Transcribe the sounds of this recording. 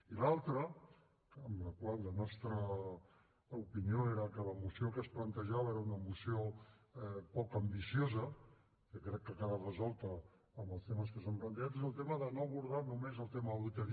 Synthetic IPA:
ilalˠt̪ɾə | əmləkwalːənɔst̪ɾə | upinioeɾəkələmusiokəsplənt̪əʒaβəeɾəunəmusio | pɔkəmbisiozə | ʒokɾɛkːəkaðərəzɔlˠt̪əː | mbəlˠst̪eməs̬kəsamplənt̪əʒat̪̬ezəlˠt̪eməðənoəβuɾðanumezəlˠt̪eməəlut̪əɾ

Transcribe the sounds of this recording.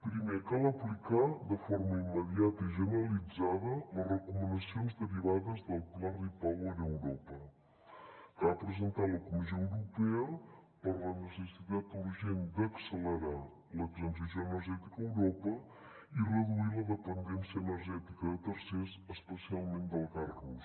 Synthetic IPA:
pɾimekalˠəplikaðəfɔɾməimːəðiat̪əiʒənəɾəlid͡zaðələrəkumənəsionzðəɾiβ̞aðəzðəlˠklaripawəɾəwɾɔpə | kapɾəzənt̪aləkumizioəwɾupɛəpəɾlənəsəsit̪at̪urʒend̪əksələɾa | lək̪ənzəsjoənəɾʒɛt̪ikəəwɾopə | irəðuiləðəpənd̪ɛnsiəːnəɾʒɛt̪ikəðət̪əɾsesəspəsialˠmend̪əlˠkarɣus

